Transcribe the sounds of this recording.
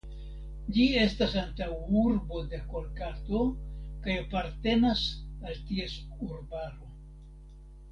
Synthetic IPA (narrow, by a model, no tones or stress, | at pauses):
d͡ʒie̞stasantawuɾbo̞dekoɾkato̞kajapaɾte̞nasaltie̞suɾbaɾo̞